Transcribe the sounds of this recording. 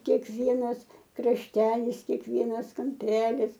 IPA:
kʲeːkˈʋʲiɛnɐs krɐʃʲˈtʲæːlʲɪs kʲeːkˈʋʲiɛnɐs kɐmʲˈpʲæːlʲɪs

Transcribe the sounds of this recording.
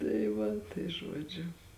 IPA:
tɐɪ ˈʋɐ tɐɪ ˈʒuɔd͡ʒʲʊ

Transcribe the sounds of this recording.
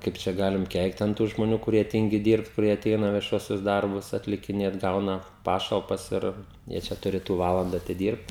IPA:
ˈkɐɪp t͡ʃʲɛ ˈɡɑːlʲɪm ˈkʲɛɪkt ɐn tuː ʒmoːˈnʲuː kʊˈrʲiɛ ˈtʲiːŋʲɡʲɪ ˈdʲiːrpt kʊˈrʲiɛ ɐˈtʲɛɪnɐ ʋʲiɛˈʃuɔsʲʊs ˈdɐrbʊs ɐtʲlʲɪkʲɪˈnʲeːt ˈɡɐʊnɐ ˈpɑːʃɐlˠpɐs ˈɪr jiɛ ˈt͡ʃʲɛ tʊˈrʲeːtʊ ˈʋɑːlˠɐndɐ ɐtʲɪˈdʲiːrpt

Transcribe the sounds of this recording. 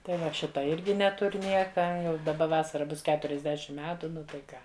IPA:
tɐɪ ˈʋɐ ˈʃʲɪtɐ ˈɪrʲɡʲɪ ˈnʲæːtʊrʲ ˈnʲiɛkɐ jɛʊ dɐˈbɐ ˈʋɑːsɐrɐ ˈbʊs kʲɛtʊrʲɪzʲˈdʲæːʃʲɪm ˈmʲæːtʊ ˈnʊ tɐɪ ˈkɑː

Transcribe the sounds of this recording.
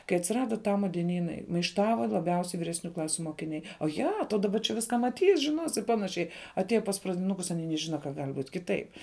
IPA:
kɐɪ ɐtʲsʲɪˈrɑːdɐ ˈtɑːmɐ dʲiɛˈnʲiːnɐɪ mɐɪʃˈtɑːʋɐ lˠɐˈbʲɛʊsʲɛɪ ʋʲɪrʲɛsʲˈnʲuː ˈklˠɑːsʲʊ moːkʲɪˈnʲɛɪ oːˈjɛ toː dɐˈbɐ t͡ʃʲɛ ˈʋʲɪskɐ mɐˈtʲiːs ʒʲɪˈnoːs ɪ ˈpɑːnɐʃʲɛɪ ɐˈtʲiɛjɛ pɐs prɐdʲɪˈnʊkʊs ɐˈnʲiː nʲɛˈʒʲɪnɐ kɐ ɡɐlʲ buːtʲ ˈkʲɪˌtɐɪp

